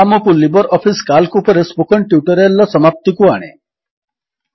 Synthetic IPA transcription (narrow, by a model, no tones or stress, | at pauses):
amɔkulibɔɾɔpʰiskalkupɔɾesbukɔɳʈjuʈɔɾelːɔsɔmap̚t̪ikuaɽ̃e